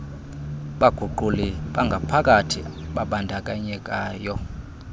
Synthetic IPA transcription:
ɓaɡ̥ʱuǃuliɓaŋɡʱapʰakʼatʰḭɓaɓandʱakʼaɲɛkʼaːjɔ

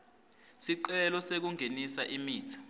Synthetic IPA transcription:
siǃɛlɔsek̬uŋʱenisaʔimiːtʰḁ

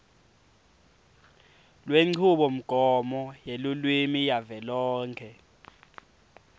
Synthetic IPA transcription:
lweŋ͡ǀʰuɓɔm̩ɡ̥ʱɔmɔjelulwimijavɛlɔːŋkʰɛ

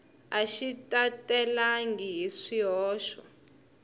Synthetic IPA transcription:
aʃitʼatʼɛlaŋɡiɦiʂiɦɔːʃwa̰

